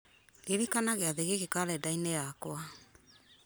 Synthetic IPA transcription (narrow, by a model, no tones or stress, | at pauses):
liɾikanaɡeaðeɡekekalɛdajnɛakoa